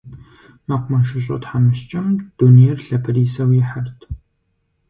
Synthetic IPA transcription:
mɐqʷmɐnʃɪɕʼɐ̰tħamɨʃt͡ʃʼɪmd̥unijɛrɬɐpʰɨriːsɐwɪħɐrtʰ

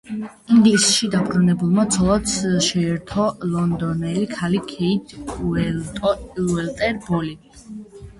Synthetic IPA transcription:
iŋɡlisʃid̪abɾunɛbulˠmat̪sʰɔlˠat̪sʃɛɛɾt̪ʰɔlˠɔnd̪ɔnɛlikʰalikʰɛit̪ʰɛltʼɔɛlt̪ʼɛɾbɔli

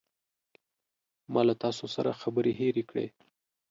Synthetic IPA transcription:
mɑlat̪ɑsosaɾa̰xabəɾeɦeɾekɽḛ

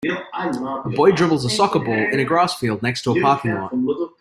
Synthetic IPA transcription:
əbɔɪdɹɪvl̩ˠzəsɔkəbɔlˠɪ̃ñɨɡɹasfilˠdⁿnɛkstʰəəpʰɑˑkɪ̃ŋɔ̰̃t

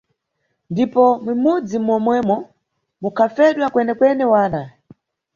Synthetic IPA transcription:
ndipɔmwimud͡zimwɔmwɛmɔ | mukʰafɛɗwakwɛnɛkwɛnɛwaːna

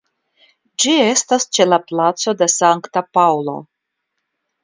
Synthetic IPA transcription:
d͡ʒie̞stast͡ʃe̞laplat͡so̞de̞saŋktapawlo̞̰

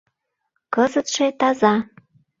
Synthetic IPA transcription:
kəzət̪ʃet̪ɑzɑ

